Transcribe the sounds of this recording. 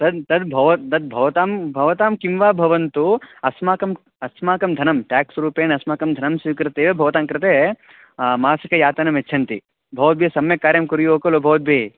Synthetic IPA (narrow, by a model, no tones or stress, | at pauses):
t̪ɐd̪t̪ɐd̪bʱɐʋɐt̪ɐd̪̚bʱɐʋɐt̪aːmbʱɐʋɐt̪aːmkimʋaːbʱɐʋɐnt̪uɐsmaːkɐm | ɐsmaːkɐmd̪ʱɐnɐmʈaːksɾuːpeːnɐsmaːkɐmd̪ʱɐnɐmsikɾɐt̪eːʋebʱɐʋɐt̪aːmkɾɨt̪eː | maːsɐkɐjaːt̪ɐnɐmet͡ʃʰɐnt̪i | bʱɐʋɐt̪̚bʱjesɐmjɐkaːɾjɐmkuɾijoːkɐlobʱɐʋɐt̪̚bʱeː